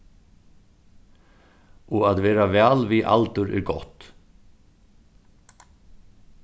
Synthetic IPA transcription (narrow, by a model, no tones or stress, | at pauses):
ɔaðvɛːɾavɛːlviʔa̰lt̪ʏɾɛ̰ɾɡɔ̰ht̪